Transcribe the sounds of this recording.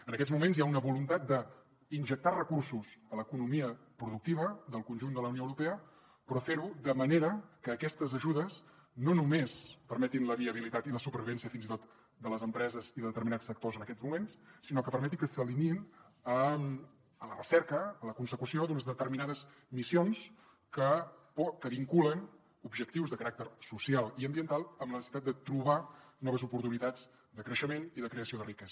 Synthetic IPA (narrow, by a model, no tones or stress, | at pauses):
ənəkɛd͡zzmumenzjaunəβulunt̪at̪̚d̪ə | inʲʒək̚t̪arəkursusələkunumiə | pɾuðuk̚t̪iβ̞əd̪əlˠkunʒund̪ələuwnioəwɾupeə | pɾɔfeɾud̪əməneɾəkəːkɛst̪əzəʒuðəs | nonumespəɾmɛt̪inləβiəβ̞ilit̪at̪iləsupəɾβiβɛnsiəfinit̪ot̪ | d̪ələzəmpɾɛzəziðəðət̪əɾminasfək̚t̪ozənəkɛzmumensːinɔkəpəɾmɛt̪ikəsəlinin | əm | ələrəsɛɾkəːləkunsəkusiod̪unəzðət̪əɾminaðəz | misions | kəpɔkəβiŋkulən | ubʒək̚t̪iwzðəkəɾak̚t̪əɾsusialˠiəmbiənt̪alˠəmlənəsəsit̪at̪̚d̪ət̪ɾuβanɔβəzupuɾt̪unit̪ad͡z | d̪əkɾəʃəmeniðəkɾeəsioðərikɛzə